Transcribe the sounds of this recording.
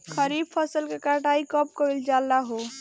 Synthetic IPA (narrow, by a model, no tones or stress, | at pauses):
kʰəɾib̚pʰəsəlkekaʈaikəp̚kəild͡ʒalːaɦo